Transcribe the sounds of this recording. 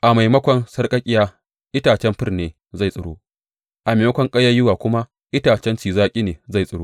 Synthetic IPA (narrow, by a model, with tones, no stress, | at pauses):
ʔa˨ma˨jmɐ˦kʷɐ˦nsɐ˦rkʼɐ˦kʲʼɪ˦jaː˦ | ʔɪ˦taː˨t͡ʃɛ˦mɸɪ˦rneː˨ | za˦˨jsʼɐ˨ɽoː˦ | ʔa˨ma˨mɐ˦kʷɐ˦ŋkʼɐ˦jːɐ˦jʊ˦waː˨kʷʊ˦ma˦ | ʔɪ˦taː˨t͡ʃɛ˦nt͡ʃiː˨zaː˦kʲʼi˦neː˨za˦˨jsʼɐ˨ɽoː˦